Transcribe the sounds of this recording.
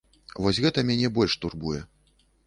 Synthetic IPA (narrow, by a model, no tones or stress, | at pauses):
vɔsʲɣɛt̪ɐmʲanʲɛbɔlʲʂt̪urbujɛ